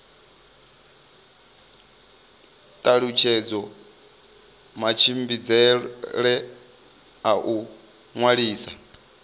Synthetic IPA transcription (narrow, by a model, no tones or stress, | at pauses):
t̪ʼaɺut͡ʃʰɛd͡zɔ | mat͡ʃʰimbid͡zɛɺɛ | aʔu | ŋwaɺiːsa